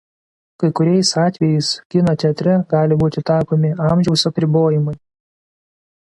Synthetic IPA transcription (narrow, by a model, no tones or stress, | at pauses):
kɐɪkʊɾʲɛɪsɑːt̪ʲʋʲɛjɛɪskʲɪnot̪ʲɛɐt̪ʲɾʲɛɡɑːlʲɪbuːt̪ʲɪt̪ɑːkoːmʲɪɑˑmʲʒʲɛʊsɐpʲɾʲɪboːjɪmʊɪ